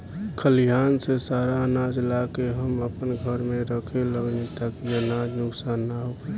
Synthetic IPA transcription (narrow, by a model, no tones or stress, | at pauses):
kʰəlijaːnsesaːɾaənad͡ʒlakeɦəməpənɡʱəɾmeɾəkʰeləɡnit̪akiənad͡ʒnʊksaːnːaɦokɾe